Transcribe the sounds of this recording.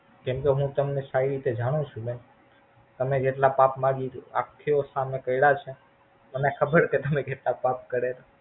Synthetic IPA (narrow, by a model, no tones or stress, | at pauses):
kɛ̃mkeɦũt̪əmnesaiɾit̪ed͡ʒaɽ̃ũt͡ʃʰũben | t̪əmed͡ʒeʈlapapmãɡia̰kʰːiosamekəiɽat͡ʃʰe | mənekʰəbəɽket̪əmẽkeʈlapap̚kəɾela